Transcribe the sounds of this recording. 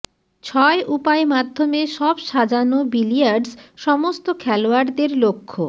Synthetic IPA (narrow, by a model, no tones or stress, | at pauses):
t͡ɕʰɔeʔupaemad̪ʱːomeʃɔbʃad͡ʑanobilijaɾɖsʃɔmost̪okʰɛloaɾd̪eɾlokʰːo